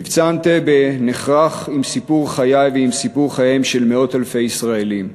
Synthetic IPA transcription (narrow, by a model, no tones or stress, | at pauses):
ivt͡sant̪ebeneχʁaχimsipuʁχajajveimsipuʁχajemʃe̞lmeo̞t̪alfe̞jisʁaelim